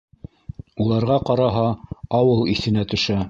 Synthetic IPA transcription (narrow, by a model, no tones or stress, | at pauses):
ulˠɑɾʁɑqɑɾɑɦɑɑwɤlˠiθɘ̆næt̪ɵ̆ʃæ